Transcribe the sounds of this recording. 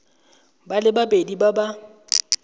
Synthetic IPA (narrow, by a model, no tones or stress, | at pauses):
balɪbapʼedibaba